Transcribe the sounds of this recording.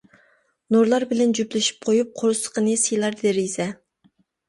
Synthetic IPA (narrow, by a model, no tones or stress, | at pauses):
noɾlˠɑɾbɪlɛnd͡ʒyplɪʃi̥p̚qʰojup̚qʰoɾsə̥qənɨsijlˠɑɾd̪eɾizɛ